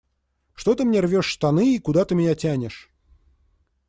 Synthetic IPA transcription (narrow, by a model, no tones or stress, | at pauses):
ʂt̪o̞t̪ɨmnʲervʲoʂst̪ɐnɨikʊd̪at̪ɨmʲɪnʲatʲænʲɪʂ